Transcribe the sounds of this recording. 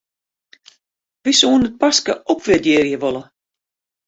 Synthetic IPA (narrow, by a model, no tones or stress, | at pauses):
ʋisoːnət̚paskə̰ɔpʋɪdjɪːrjəʋolˠə